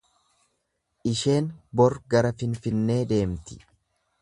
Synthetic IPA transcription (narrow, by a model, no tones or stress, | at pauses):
ʔɪʃe̞ːnbɔɾɡɐɾɐfɪnfɪnːe̞ːd̪e̞ːmt̪ɪ̥